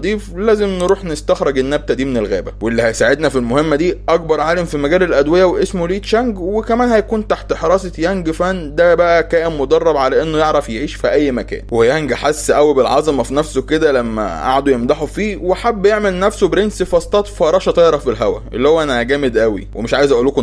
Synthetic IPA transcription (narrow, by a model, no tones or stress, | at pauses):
d̪ˤiːflæːzemnɾuːħnest̪æxɾeɡenːæb̚t̪æd̪iːmenelɣæ̰ːbæ̰weʔelːihæjsaʕed̪næfilmohemːæd̪iːʔɑk̚bɑɾˤʕaːlæmfimæɡæːlelʔæd̪wejæweʔesmoliːt̪ʃæŋɡwekæmæːnhæjækuːnt̪aħt̪ħɑɾˤɑːsˤejæŋɡfænd̪æbæʔækæːʔemmod̪ˤɑrˤːɑbʕalæʔenːojeʕɾæfjeʕiːʃfiʔæjːmækæ̰ːnwejæŋɡħasːʔæwibelʕɑzˤmɑfinæfsoked̪ælæmːæ̰ʔa̰ʕad̪ujemd̪ɑħofiːweħabːjeʕmelnæfsobɾensifæst̪ˤɑːt̪fɑɾˤɑːʃɑt̪ˤɑjɾˤɑfilɦæwæ̰ʔḛlːihowːæʔænæhæɡæːmed̪ʔæwḭwemeʃʕaːjezʔæʔuːlːoko